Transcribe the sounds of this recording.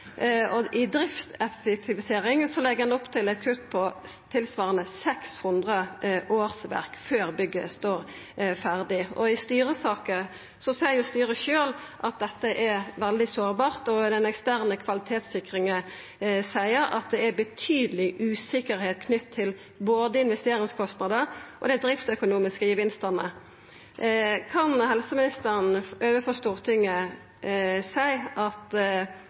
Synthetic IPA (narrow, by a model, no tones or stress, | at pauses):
ɔʔɪd̪ɾɪft̪ɛfɛk̚t̪ʰɪʋɪseːɾɪŋsɔlɛɡəɛnʊpt̪ʰɪlɛt̪̚kʰʉt̪ːpʰɔt̪ʰɪlsʋɑːʁənəsɛkshʉnd̪ʁəʔoːʁsʋæ̰ʁkføːʁbʏɡːəst̪oːɾ | fæʁd̪ɪʔɔɪst̪yːɾəsɑːkə | sɔsæɪjʊst̪yːɾəʃøːl | ʔɑt̪̚d̪ɛt̪ːəʔɛɾʋɛld̪ɪsoːʁbɑːʁt̪ɔd̪ɛnɛkst̪æʁnəkʰʋɑlɪt̪ʰeːt̪sɪkʁɪŋə | sæɪəɾɑ̰t̪̚d̪ɛæbət̪ʰyːd̪əlɪʔʉːsɪkəɾheːt̪̚kʰnʏt̪ʰːɪl | boːd̪əɪnʋɛst̪eːɾɪŋskʰɔst̪nɑd̪əʔɔd̪ɛd̪ʁɪft̪sœkʊnuːmɪskəjəʋɪnst̪ənə̰ | kʰɑnhɛlsəmɪnɪst̪əʁənøːʋəfɔst̪uːʁt̪ʰɪŋːə | sæɪʔɑt̪